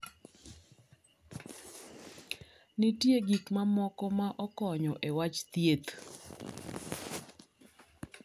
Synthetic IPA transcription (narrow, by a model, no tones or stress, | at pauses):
nɪtjeɡikmamɔkɔmaʔɔkɔɲɔʔewat͡ʃt̪jet̪